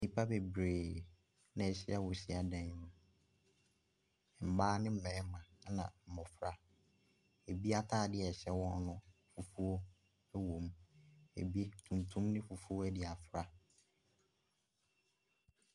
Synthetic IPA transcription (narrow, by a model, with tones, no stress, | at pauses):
ni˨pʰa˦bɛ˨bɾeː˨ | nã˨ɛ˨ɕɪ˦a˦wɔ˨ɕi˦a˨dɛ̃˨ɲ˦nʊ̃˨ | m̩˨baː˦nɪ̃˦m̩˦mɛ̃˨˦mã˨˦nã̰˨m̩˨mɔ̃˨fɾa˦ | e˨bi˦a˦tʰaː˦˨dɪ˦ɛ˨ɕɛ˦wɔ̃˦n˦nʊ̃˦fu˨fu˦o˦ | ɛ˦wõ˨mḛ˨bi˦tʰũ˨ntʰũ˦mnɪ̃˦fu˨fu˦o˦ɛ˦dɪ˨a˨fɾa˦